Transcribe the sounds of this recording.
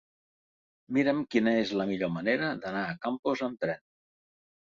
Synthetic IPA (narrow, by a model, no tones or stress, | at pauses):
miɾəmkinəezləmiʎoməneɾəðənaːkampuzəmt̪ɾɛn